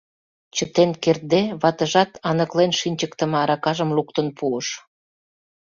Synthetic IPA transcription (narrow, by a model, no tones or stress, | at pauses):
t͡ɕə̆t̪enker̚d̪eβɑt̪ə̆ʒɑt̪ɑnə̆klenʃinʲt͡ɕəkt̪ə̆mɑɾɑkɑʒəmluk̚t̪ə̆npuəʃ